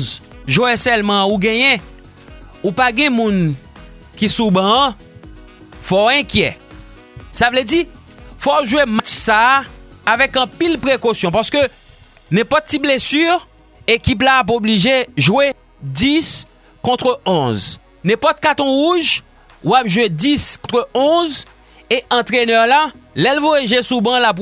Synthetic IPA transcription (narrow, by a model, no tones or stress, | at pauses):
zʒwɛsɛlmɑ̃uɡɛ̃jɛ̃ | upaɡɛ̃mũn | kisubã | fɔɛ̃kjɛ | savlɛdi | fɔʒuwemat͡ʃsaː | vɛkɑ̃pilpʁekosjɔ̃paʁsə̥kø | nɛ̃pɔt̪̚tːiblesyʁ | ekip̬laːp̬obliʒeʒwe | d̪is | kɔ̃t̪χøʔɔ̃z | nɛ̃pɔt̪̚kat̪ɔ̃ʁuʒ | wapʒwediskɔ̃t̪χøɔ̃z | eʔɑ̃t̪ʁenœʁlalɛlvojaʒesubɑ̃lap̬